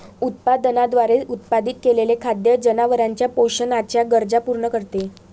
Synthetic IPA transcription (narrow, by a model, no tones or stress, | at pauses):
ut̪̚pad̪ənad̪ʋaɾeut̪pad̪it̪̚kelelekʰad̪jəd͡ʑənaʋəɾaɲt͡ɕjapoɕənat͡ɕjaɡəɾd͡zapuɾɳəkəɾt̪e